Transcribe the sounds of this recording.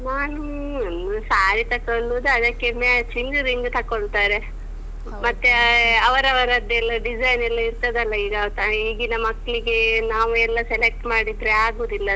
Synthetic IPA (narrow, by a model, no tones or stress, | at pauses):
naːnu | nusaːɾit̪ɐkoɭːud̪ɐd̪ɐkːemat͡ʃiŋɡɾiŋɡt̪ɐkoɭt̪aːɾe | mɐt̪ːeɐʋɐɾɐʋɐɾɐd̪ɛlːɐɖid͡ʒɐjnɛlːɐiɾt̪ɐd̪ɐlːɐiːɡɐt̪ɐiːɡinɐmɐkːɭiɡenaːʋuɛlːɐselek̚ʈmaːɽid̪ɾeaːɡuːd̪ilːɐ